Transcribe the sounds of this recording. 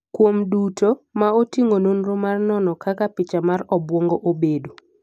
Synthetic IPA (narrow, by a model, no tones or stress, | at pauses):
kwomdutʰomaotiŋononromarnɔnɔkakapɪt͡ʃamarɔbwɔŋɡoʔobedo